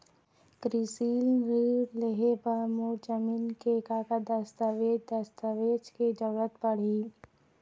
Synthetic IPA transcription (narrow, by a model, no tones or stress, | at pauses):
kɾisiːlɾiːɾleɦebəɾmud͡ʒəmiːnkekakad̪ɐst̪əʋeːd͡ʒd̪ɐst̪əʋeːd͡ʒked͡ʒ̪əɽət̪pɐɽ̤iː